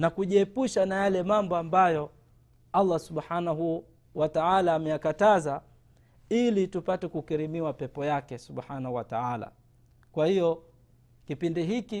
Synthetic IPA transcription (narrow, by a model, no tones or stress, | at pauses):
nakuʄiɛpuʃanajalɛmambɔambajɔ | alːasuɓħanaɦu | wataalaːmɛjakataza | ilitupatɛkukɛɾimiwapɛpɔjakɛsuɓħanahuwataala̰ | kwahijɔ | kipindiɦiki